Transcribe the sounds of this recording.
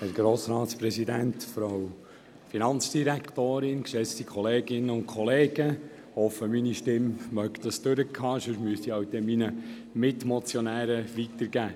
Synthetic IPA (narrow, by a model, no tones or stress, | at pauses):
æɾɡ̥ɾoːsɾɑːtspɾɛsidænt̪fɾow | finɑnt͡sd̥iɾækt̪oːɾɪnkʃɛt͡st̪ikʰɔleːɡɪnːəʊnkʰχɔleːɡ̥ə | hɔfəminiʃtɪmmœkt̪ɑst̪øɾəkʰɑːʃøʃmyəsiɑwd̪ɛminə | mɪt̪mɔt͡sjɔnæːɾəʋitəɾɡ̥æː